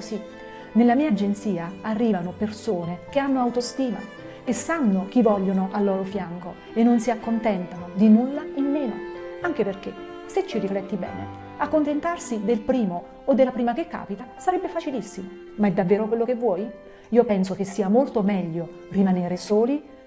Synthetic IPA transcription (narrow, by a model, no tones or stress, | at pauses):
osi | nelːamiːad͡ʒent̪siːaarːiːvanopersoːnek̟eanːoawt̪ost̪iːma̰ | esːanːok̟ivːɔʎːonoʔalːɔːɾofjaŋko | enːonsiakːont̪ɛnt̪anod̪inulːaimːeːnoaŋk̟eperk̟e | set͡ʃːiriflɛt̪ːibɛ̰ːnḛ | akːont̪ent̪arsid̪elpɾiːmo | od̪ːelːapɾiːmak̟ekːa̰ːpit̪asaɾɛbːefat͡ʃilisːimo | maɛd̪ːavːeːɾokwelːok̟evːwɔːj | iːopɛnsok̟esːiːamolt̪omɛʎːo | rimaneːɾesoːli